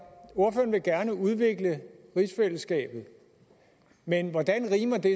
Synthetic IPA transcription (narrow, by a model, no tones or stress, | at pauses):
o̝ɐføːɐnʋe̝ɡ̥æɐnəuð̞ˠʋe̝ɡ̥ləʁisfel̰əsɡ̥ɛ̰ːb̥ð̞̩ˠ | menʋɒd̥ænʁiːmɐd̥e̝